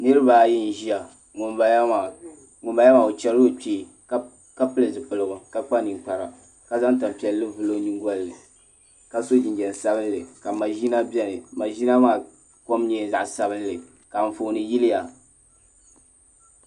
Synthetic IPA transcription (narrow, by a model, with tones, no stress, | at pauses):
nɨ˦ɾɨ˦ba˨ji˦n̩˦ʒi˦a˨ | ŋʊ˨˦˨ | ŋʊ˨mba˨˦ja˦ma˨o˨t͡ʃɛ˨ɾo˦k͡pe˦˨˦ | ka˦pɨ˦lɨ˨zɨ˨pɨ˨lɨ˨ɡʊ˨ka˦k͡pa˦nɨ˨ŋk͡pa˨ɾa̰˨ | ka˨za˦ŋ˦ta˨m˨pi˨ɛ˨lːɨ˦vɨ˨lo˦ni˦ŋ˦ɡʷɔ˦lːɨ˨ | ka˨so˦d͡ʒi˨nd͡ʒɛ˨n˨sa˦bɨ˦n˦lɨ˨ka˨ma˨ʒi˦na˦bɛ˦nɨ˨ma˨ʒi˦na˦maː˦˨ | ko˦mɲɛ˦za̰˨ʔsa˦bɨ˦nlɨ˨ | ka˨ɱ̩˨foː˨nɨ˨ji˦lɪ˦ja˨